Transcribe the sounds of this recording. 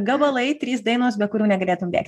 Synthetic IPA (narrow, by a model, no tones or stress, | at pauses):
ɡɐbɐlˠɐɪt̪ʲɾʲiːsd̪ɐɪnoːsbʲɛt̪̚kʊɾʲuːnʲɛɡɐlʲeːt̪ʊmʲmbʲḛːkt̪ʲ